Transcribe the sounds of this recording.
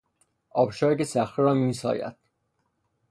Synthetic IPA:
ʔɒːbʃɒːɾkesæxiɾɒːmiːsɒ̰ːjæ̰d̪̥

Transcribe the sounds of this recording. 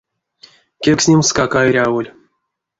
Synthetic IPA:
kʲeksʲnʲemskakaeɾʲavolʲ

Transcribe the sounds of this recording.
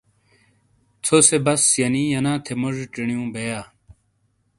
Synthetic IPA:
t͡sʰosebɐsjɐnijɐnãːt̪ʰemɐʐʈiɳijũːbejaː

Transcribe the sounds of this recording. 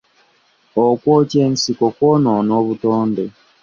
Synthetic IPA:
okwotensikokwononoβutoːnde

